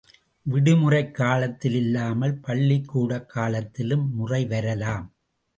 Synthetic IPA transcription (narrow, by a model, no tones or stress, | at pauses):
ʋɪɽɯmʊrɐɪkːaːlɐt̪ːɪlɪlːaːmɐlpɐɭːɪkːuːɽɐkːaːlɐt̪ːɪlɯmːʊrɐɪʋɐɾɐlaːm